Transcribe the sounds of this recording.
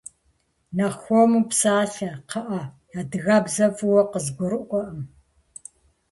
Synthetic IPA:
naxʷɔmupsaːɬɐqɐʔɐ | jaːdɨɣaːbzɐfɨwɐqəzɡʷɔɾɨʔʷɔʔɐm

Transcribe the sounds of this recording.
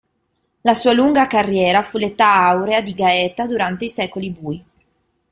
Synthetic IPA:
lasuːaluŋɡakarːjɛːɾafulet̪aawɾead̪iɡaɛt̪ad̪uɾant̪eisɛːkolibuːj

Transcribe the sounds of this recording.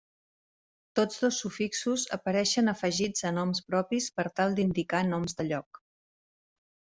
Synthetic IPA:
t̪od͡zðosːufiksuzə̰pəɾɛʃənəfəʒid͡zənɔmspɾɔpispəɾt̪alˠd̪ind̪ikanɔmzðəʎɔk

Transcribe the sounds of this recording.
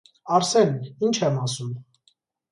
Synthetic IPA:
ɑɾsɛnint͡ʃʰɛmɑsum

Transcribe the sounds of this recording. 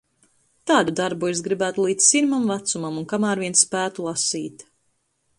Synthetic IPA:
t̪aːd̪ud̪aɾbues̬ɡɾibæːt̪ulˠiːd̪siɾmamvat̪sumamunkamaːɾvʲiɛnsːpæːt̪ulˠasiːt̪

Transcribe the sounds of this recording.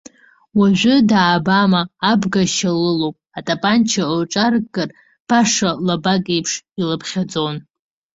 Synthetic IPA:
waʒᶣʷʊdaːbamaːbɡaʃalɨlowpʼatʼapʼant͡ʃʰaoʈ͡ʂʼarɡɨr | b̥aʂalabakʼepʰʂilɨpʰχʲad͡zʼon

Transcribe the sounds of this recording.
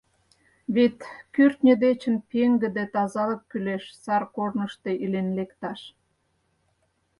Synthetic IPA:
βet̪kyrt̪nʲə̆d̪et͡ɕənpeŋɡə̆d̪et̪ɑzɑlə̆kːyleʃsɑrkornəʃt̪e̽ʔilenlekt̪ɑʃ

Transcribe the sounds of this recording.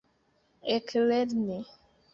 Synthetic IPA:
ekʰlɛdne

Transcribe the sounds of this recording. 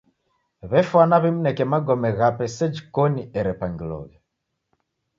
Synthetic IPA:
βɛfwanaβɛmunɛkɛmaɡɔmɛɣapɛsɛd͡ʒikɔniʔɛɾɛpaŋɡilɔ̰ɣɛ

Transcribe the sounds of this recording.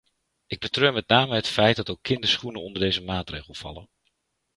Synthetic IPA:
ʔɪɡ̚bətrøːmɛtnaːməɦətfɛjt̚dɑtokʰːɪndəsχunəɔndərdejzəmaːtreːχəlˠfɑ̰lˠə̰n

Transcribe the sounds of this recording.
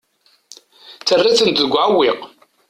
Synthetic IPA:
t͡sːərːaθənt̪ðəɡʷːʕawːiq

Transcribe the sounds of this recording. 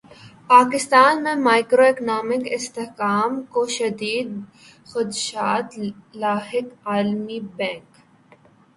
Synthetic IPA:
paːkɪst̪aːnmẽmaːɪkɾoeknaːmɪkɪst̪ɪhkaːmkoʃɐd̪iːd̪ | xʊd̪ʃaːt̪laːhɪkaːlmibɛ̃ːŋk

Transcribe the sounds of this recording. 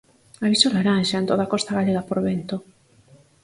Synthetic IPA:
aβisolaɾanʃaent̪oðakɔst̪aɣaʎeɣapoɾβent̪o

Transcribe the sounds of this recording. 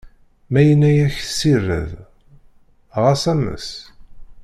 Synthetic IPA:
mæjənːæjæçsirːə̰ð | ʁasæmːə̰s

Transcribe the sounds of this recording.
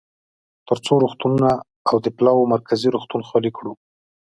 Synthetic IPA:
t̪əɾt͡soɾoxt̪ununaː | wd̪əplɑwomaɾkʰaziɾoxt̪unxɑlikɽu

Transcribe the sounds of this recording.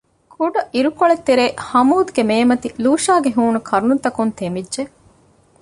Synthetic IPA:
kʰuɖɐʔiɾukoɭet̪ːeɾeːhɐmuːd̪ɡemeːmɐt̪iluːʃaːɡeɦuːnukʰɐɾununt̪ɐkunt̪emidːʒe

